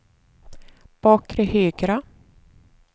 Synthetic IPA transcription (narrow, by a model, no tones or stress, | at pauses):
b̥ɑːkːɾɪhyːɡɾa